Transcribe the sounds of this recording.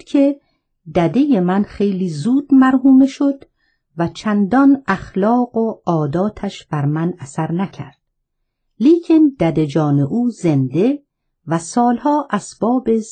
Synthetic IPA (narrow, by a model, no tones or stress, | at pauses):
kʰe̞ | d̪æd̪e̞jemænχe̞jliːzuːd̪mæɾhuːmeʃo̞d̪ | væt͡ʃʰænd̪ɒnæxlɒːɢoɒːd̪ɒːt̪ʰæʃb̥æɾmænæsæɾnæcʰæ̰ɾd̪̥ | liːcʰend̪æd̪ed͡ʒɒːne̞ʔuːze̞nd̪e̞ | væsɒːlhɒːʔæsb̥ɒːbe